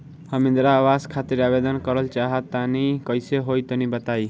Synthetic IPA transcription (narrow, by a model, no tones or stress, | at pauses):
hʌmĩnd̪ɾaːwaskʰat̪iɾabed̪ʌnkʌɾəlt͡ʃaɦət̪ːanikʌjseɦojt̪ʌnibʌt̪aj